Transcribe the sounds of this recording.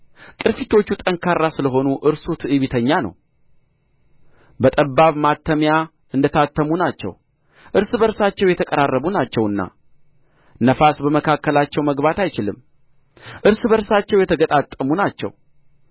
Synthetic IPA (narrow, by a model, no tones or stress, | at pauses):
kʼɨɾfit̪o̞t͡ʃːut̪ʼəŋkʰarːasɨləɦo̞nuʔɨɾsut̪ʰɨʔɨβit̪ʰəɲːanə̰w | bət̪ʼəbːaβmat̪ʰːəmja | ɨnd̪ət̪ʰat̪ʰːəmunat͡ʃːɛ̰w | ʔɨɾsbəɾsat͡ʃːɛwjɛt̪ʰəkʼəɾarːəβunat͡ʃːɛwɨnːa̰ | nəfasbəməkʰakːəlat͡ʃːɛwməɡβat̪ajt͡ʃɪlɨ̰mː | ʔɨɾsbəɾsat͡ʃːɛwjɛt̪ʰəɡət̪ʼat̪ʼːəmunat͡ʃːɛ̰w